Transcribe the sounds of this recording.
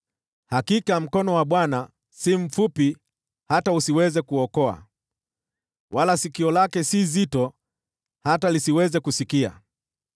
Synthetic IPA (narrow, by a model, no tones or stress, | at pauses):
hakikam̩kɔnɔwaɓwana | sim̩fupi | hatausiwɛzɛkuɔkɔa̰ | wʔalasikiɔlakɛsizitɔ | hatalisiwɛzɛkusikia̰